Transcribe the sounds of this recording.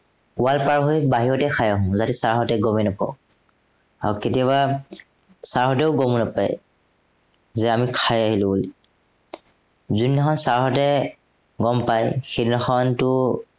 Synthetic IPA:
ʊalpaɹɦojbaɦiɹɔtɛkʰajaɦʊ̃zatɛsaɹɦɔtɛɡɔmɛnapɔ̰ʊ | a̰ɹuketijaβa | saɹɦɔtɛʊɡɔmunapa̰j | zɛamikʰajaɦilʊ̃uli | zunːaxɔnsaɹɦɔtɛ | ɡɔmpajxedinaxɔntʊ

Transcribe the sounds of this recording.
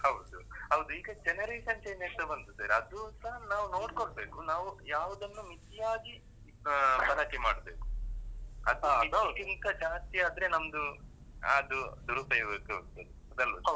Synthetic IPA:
hɐwd̪uɦɐwd̪uiːɡɐd͡ʒɛnɐɾeːʂɐnt͡ʃɐjnet̪ɐbɐnt̪usɐɾɐd̪usɐɦɐnaːʋuno̞ːɖkoɽbe̞ːkunaːʋujaːʋud̪ɐnːumit̪ːijaːɡi | bɐlaːkɛmaːɽbeːku̥ | ɐd̪ɐɐid̪kint̪ɐd͡ʒaːst̪ijaːd̪ɾe̞nɐmd̪ṵ | ɐd̪ud̪uɾupɐjbeːkut̪ɐɾiɐd̪ɐlʋɐ

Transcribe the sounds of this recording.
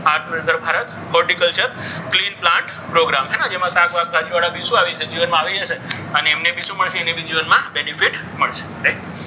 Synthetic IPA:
aɾɾẽd̪əɾbʱaɾət̪ | kɔɾʈikəlt͡ʃəɾklinplãɳʈ | pɾoɡɾamɦɛnad͡ʒemãsaɡʋaɡ̚ɡʱad͡ʒiʋaɭãbisũaʋit͡ʃʰed͡ʒiʋənmãaʋid͡ʒaʃʰe | əneːmnebisuməɭʃeːnebʱid͡ʒiʋənmãbɛnifiʈ | məɭʃe̥ɾaj

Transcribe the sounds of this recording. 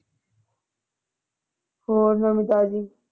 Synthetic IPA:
hoːɾnɐmid̪aːzi

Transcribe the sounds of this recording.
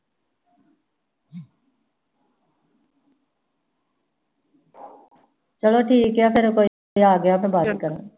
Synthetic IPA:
t͡ʃəloːʈʰiːjaːpʰeɾkoː | iaːɡəjaːpẽbaːkəɾə

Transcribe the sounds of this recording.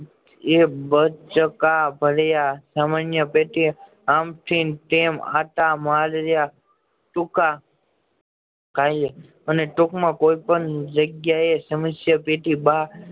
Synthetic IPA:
ebət͡ʃəkabʱəljasamanjəpeʈi | amʈʰinʈema̰t̪amalɾja | ʈʊka | kaje | əneʈʊkmãkoipənd͡ʒəɡjaesəməsjəpeʈiba

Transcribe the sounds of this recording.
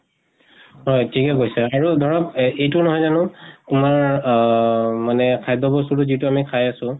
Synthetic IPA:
ɦɔjtʰikɛɡojsɛaɹudʱɔɹɔpejtʊnɔɦɔjzanʊtʊmaɹ | manɛkʰajdɔbɔsutʊzituamikʰajasʊ̃

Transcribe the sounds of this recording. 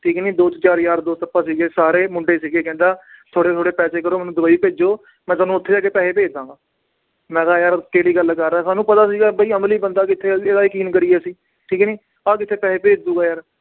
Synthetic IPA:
ʈʰiːkniːd̪oːt̪t͡ʃaːɾjaːɾd̪oːt̪əpːaːsiːɡeːsaːɾeːmʊɳɖeːsiːɡeːkɛ̃ːnd̪aːt̪ʰoːɽeːt̪ʰoːɽeːpɛːseːkəɾoːmɛ̃ːnũːd̪ʊbaːiːpeːd͡ʒoː | mɛ̃ːt̪aːnũːʊt̪ʰːeːd͡ʒaːkeːpɛːeːpeːd͡ʒd̪ãːŋɡaː | mɛ̃ːkaːjaːɾkeːɽiːɡəlkəɾːaɛːsaːnũːpət̪aːs̬iːɡaːbəiːəmliːbənd̪aːkɪt̪ʰːeːeːd̪aːɪkiːnkəɾiːɛːsiː | ʈʰiːkniː | aːkɪt̪ʰːeːpɛːeːpeːd͡ʒd̪uːɡaːjaːɾ

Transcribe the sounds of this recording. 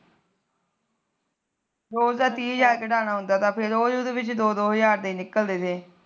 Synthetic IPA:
ɾoːzd̪aːt̪iːəzaːɾkeːɖaːnaːɦʊnd̪aːt̪ãːpʰɪɾoːjʊd̪ʋɪt͡ʃd̪oːd̪oːɦəzaːɾd̪eiːnɪkəld̪eːt̪ʰeː

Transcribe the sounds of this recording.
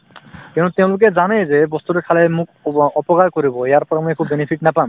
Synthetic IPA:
kĩtut̪eʊ̃lʊk̬ɛzanɛjzebɔst̪uɾekʰalɛmukɔpɔkakoɾibɔjaɾpɔɾamuekʰubːenepʰiknapam

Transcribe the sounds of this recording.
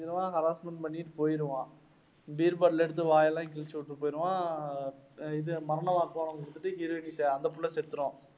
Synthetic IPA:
ɪɾɯʋãːɦɐɾaːsmɐɳpɐɳːiʈːɯpoːjɪɾɯʋãː | biːɾpaːʈlɛɽɯt̪̬ːɯʋaːjɐlãːk̬ɪɭt͡ʃːɐʋʊʈːɯpoːjɪɾɯʋãː | ɪðɯmɐɾɐɳɐmaːkaːnɐ̃kɪɽɯt̪ːɯʈːɯɦiːɾɯʋɐnisɛɐnd̪ɐp̬ːʊɭːɐsɛɾɯt̪ːɯɾõː

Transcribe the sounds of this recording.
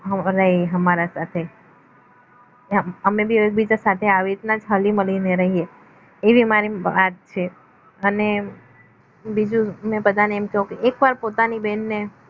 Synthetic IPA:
ɦəɾəɦiɦəmaɾasat̪ʰe | əəmebioek̚bid͡ʒasat̪ʰeaʋiɾit̪nad͡ʒɦəliməlineɾəɦieː | ʋimaɾiʋat̪̚t͡ʃʰe | əne | bid͡ʒumepəd̪aneːmkəɦũkeekʋaɾpot̪anibɛnːe

